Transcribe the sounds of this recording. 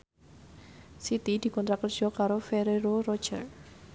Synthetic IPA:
sit̪id̪̥i̤kɔnt̪ɾakər̥d͡ʒ̥ɔkaɾofeɾeɾorɔ̥d͡ʒə̰r

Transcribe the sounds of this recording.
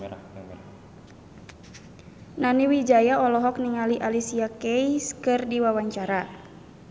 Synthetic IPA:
naniwid͡ʒajaɔlɔɦɔk̚niŋaliʔalisiakɛjskɨrdiwawaɲt͡ʃaɾa

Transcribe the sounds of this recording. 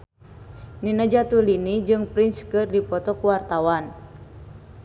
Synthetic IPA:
ninəd͡ʒat̪ulinid͡ʒɨŋpɾinskɨrdipɔt̪ɔkuwart̪awan

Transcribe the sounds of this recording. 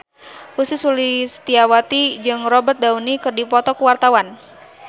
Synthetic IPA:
usisulist̪iawat̪id͡ʒɨŋrɔbərt̪̚d̪aunikɨrdipɔt̪ɔkuwart̪awan

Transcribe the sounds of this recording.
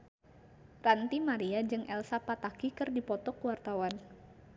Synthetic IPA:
rant̪imaɾiad͡ʒɨŋʔɛlsapat̪akikɨrdipɔt̪ɔkəwart̪awan

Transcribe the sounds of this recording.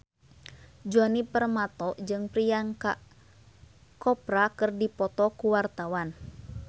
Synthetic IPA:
d͡ʒuɔnipərmat̪ɔd͡ʒɨŋpɾijanka | kɔpɾakɨrdipɔt̪ɔkuwart̪awan

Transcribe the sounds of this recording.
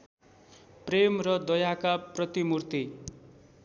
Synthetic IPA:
premrʌd̪ʌjakaprʌt̪imurt̪i

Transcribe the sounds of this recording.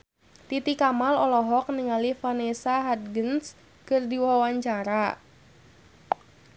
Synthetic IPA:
t̪it̪ikamalɔlɔɦɔk̚niŋalihfanesaɦad̪̚ɡəns | kɨrdiwawaɲt͡ʃaɾa

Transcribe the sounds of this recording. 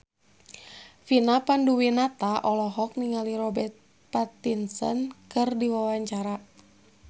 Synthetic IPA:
finapanduwinat̪aʔɔlɔɦɔk̚niŋaliɾɔbɛrt̪̚ | pat̪insə̰nkɨrdiwawaɲt͡ʃaɾa

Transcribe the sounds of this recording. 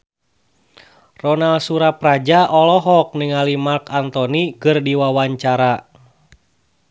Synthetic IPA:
rɔnalsuɾaprad͡ʒaʔɔlɔɦɔk̚nɨŋalimarkant̪ɔnikɨrdiwawaɲt͡ʃaɾa

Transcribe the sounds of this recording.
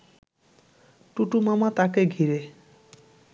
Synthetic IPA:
ʈuʈumamat̪akeɡʱiɾe

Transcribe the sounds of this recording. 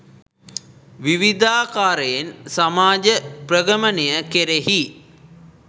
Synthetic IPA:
ʋiʋid̪aːkaːɾəjensamaːd͡ʒəprəɡəmənejəkeɾehi

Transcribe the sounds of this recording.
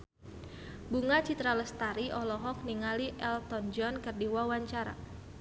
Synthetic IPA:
buŋat͡ʃit̪ɾaləst̪aɾiʔɔlɔɦɔk̚niŋaliʔɛlt̪ɔnd͡ʒɔnkərdiwawaɲt͡ʃaɾa̰

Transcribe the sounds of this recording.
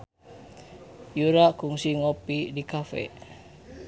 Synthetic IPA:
juɾakuŋsiŋopidikafɛ̰

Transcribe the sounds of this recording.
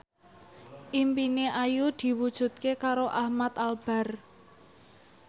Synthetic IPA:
ʔimpineʔajud̪̥i̤wud̥ʒ̥ṳt̪̚kekaɾoʔahmat̪alb̥a̤r

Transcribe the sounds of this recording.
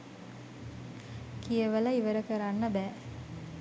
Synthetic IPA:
kijəʋɐlɐiʋɐɾəkɐɾanːɐbæː

